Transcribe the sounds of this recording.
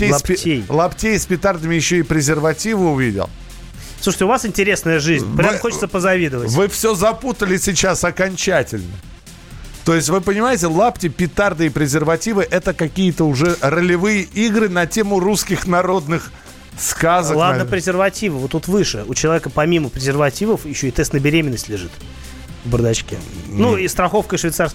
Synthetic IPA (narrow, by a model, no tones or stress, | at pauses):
tʲejsptʲejlˠɐptʲejspʲɪt̪ard̪əmʲɪjɪɕːoɪpɾʲɪzʲɪrvɐtʲivɨʊvʲidʲɪ̰lˠ | sluʂə̥tʲɪʊvasɪnʲtʲɪɾʲe̞snəjəʐɨzʲnʲpɾʲamxot͡ɕɪt̪səpəzɐvʲid̪ɨvətʲvɨfsʲozɐput̪əlʲɪsʲɪt͡ɕasɐkɐnʲt͡ɕætʲɪlʲnə̰ | t̪o̞ɪsʲtʲvɨpənʲɪmajɪtʲɪlˠaptʲɪpʲɪt̪ard̪ɨɪpɾʲɪzʲɪrvɐtʲivɨʔɛt̪əkɐkʲijət̪əʊʐɛrəlʲɪvɨjəʔiɡɾɨnɐtʲe̞mʊruskʲɪxnɐɾo̞d̪nɨx | skazəlˠad̪nəpɾʲɪzʲɪrvɐtʲivɨvot̪ːut̪vɨʂɨʊt͡ɕɪlˠɐvʲekəpɐmʲiməpɾʲɪzʲɪrvɐtʲivəfjɪɕːoɪt̪ɛst̪nəbʲɪɾʲemʲɪnːəsʲtʲlʲɪʐɨt̪ | vbərd̪ɐt͡ɕkʲḛnuist̪ɾɐxo̞fkəʂvʲɪt̪sars